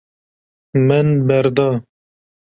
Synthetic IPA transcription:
mɛnbɛɾd̪ɑ

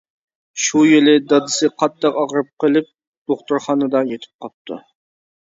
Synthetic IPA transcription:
ʃujelɪd̪ɑd̪ɨsɨqʰɑt̪d̪ːɑqɑʁɾɨp̚qəlˠɪp̚ | d̪̥oχt̪uɾχɑnɨd̪ɑjet̪ʰɪ̥p̚qɑp̚t̪ʰṵ

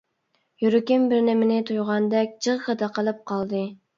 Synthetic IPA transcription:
jyɾɪkʲɪmbɪɾnɪmɪnɪt̪ʰujʁɑnd̪ɛk̚ʲd͡ʒəʁʁəd̪ɑqəlˠɨp̚qʰɑlˠd̪ɨ

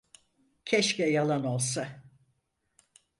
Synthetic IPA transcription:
cʰɛʃcɛjalˠano̞lˠsa

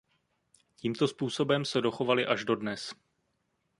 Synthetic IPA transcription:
ciːmt̪o̞spuːso̞bɛmsɛdo̞xo̞valɪʔaʒdo̞dnɛs

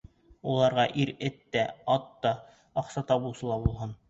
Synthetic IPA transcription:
ulˠɑɾʁɑʔiɾɘt̪ːæɑt̪ːɑ | ɑqsɑt̪ɑbulˠsɤ̆lˠɑbulˠɦɤn

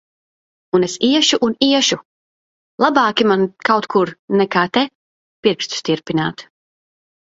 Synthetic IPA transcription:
unesiɛʃuʔuniɛʃu | lˠabaːkʲimankawt̪kʰuɾnɛkaːt̪ɛ | piɾkst̪u̥st̪iɾpinaːt̪

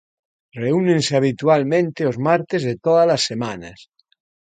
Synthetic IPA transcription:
reunenseaβ̞it̪ualmẽnt̪eozmaɾt̪ezðet̪oðalasːemanas

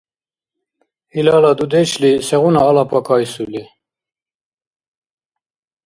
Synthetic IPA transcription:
ilɑːlɑd̪ud̪ɛt͡ʃlisɛɣunɑːlɑpʰɑkʰɑːjsuli

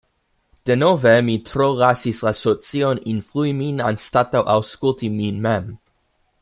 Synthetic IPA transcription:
d̥enovemit̪ʰɾoʁasislasot͡sioninfluiminã̰nstat̪awʔawskult̪iminmɛm

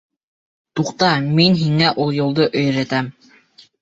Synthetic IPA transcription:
t̪uqt̪ɑminɦiŋæʔulˠjŏlˠd̪ɤʔɵ̆jɾæt̪æm

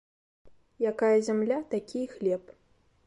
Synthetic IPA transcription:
jakajɐzʲamlʲat̪akʲijxlʲɛp

